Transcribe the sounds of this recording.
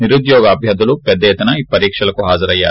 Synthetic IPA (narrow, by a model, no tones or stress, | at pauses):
niɾud̪jɔːɡɐːbʱjɐd̪ɐlupɛd̪ːɐjɐt̪ɐnɐiːpɐɾiːkʂɐlɐkuɦaːd͡ʒɐɾɐjːa̰ː